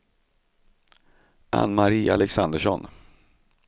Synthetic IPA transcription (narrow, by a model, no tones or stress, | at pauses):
ʔa̰nːmaɾiːalɛksand̪əʂɔn